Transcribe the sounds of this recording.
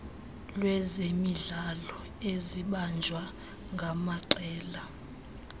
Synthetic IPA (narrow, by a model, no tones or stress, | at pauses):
lwɛzemiɮalɔ | eziɓand͡ʒʱwa | ŋɡʱamaǃɛːla